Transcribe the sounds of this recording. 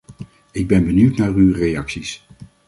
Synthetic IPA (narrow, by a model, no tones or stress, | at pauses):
ɪɡ̚bɛnbənywtnaːrywrejɑksis